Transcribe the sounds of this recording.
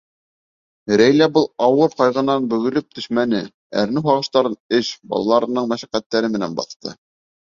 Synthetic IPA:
ɾæjlæbɤlˠɑwɤɾqɑjʁɤ̆nɑnbɵ̆ɡɵ̆lɵp̚t̪ʰɵ̆ʃmænɘ | æ̰ɾnɘɦɑʁɤ̆ʃt̪ɑɾɤnɘʃbɑ̰lˠɑlˠɑɾɤ̆nɤɴmæʃæqæt̪ːæɾɘmɘ̆næ̰nbɑ̰θt̪ɤ̰

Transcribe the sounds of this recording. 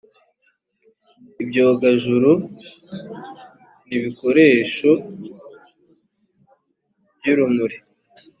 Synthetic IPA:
ibɟo̞ːɡaʒuɾu | niβiko̞ɾe̞ːʃo | bjuɾumuɾi

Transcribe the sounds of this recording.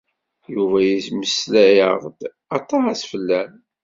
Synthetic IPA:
juvæjisməslæjəʁd̪ | ɑt̪ˤːɑæsfəlːæn

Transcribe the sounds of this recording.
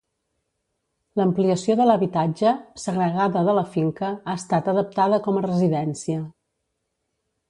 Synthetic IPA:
ləmpliəsioðələβit̪ad͡ʒəsəɣɾəɣaðəðələfiŋkəaəst̪at̪əðəp̚t̪aðəkɔmərəziðɛnsiə

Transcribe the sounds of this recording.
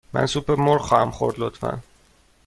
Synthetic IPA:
mæ̰nsupʰeɾmoɾχɒːhæmχo̰ɾd̪lot̪fæ̰n

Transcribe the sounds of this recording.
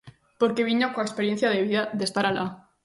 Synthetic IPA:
poɾkeβiɲokoekspeɾjen̟θjað̞eβiðaðest̪aɾala

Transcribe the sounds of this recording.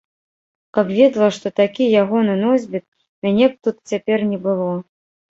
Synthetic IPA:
kapvʲɛd̪lˠɐʂt̪ɔt̪akʲijaɣɔnɨnɔzʲbʲit̪̚ | mʲanʲɛp̚t̪ut̪t͡sʲapʲɛrnʲɛbɨlˠɔ

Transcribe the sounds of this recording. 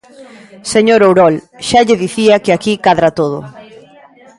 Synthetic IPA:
seɲoɾowɾɔlʃaʎeðiθiɐkɪakikaðɾat̪oð̞ʊ̰

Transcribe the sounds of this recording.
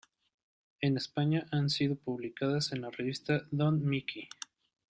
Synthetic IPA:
e̞nespaɲaʔansiðo̞puβlikaðase̞nlareβist̪aðonmikʰi

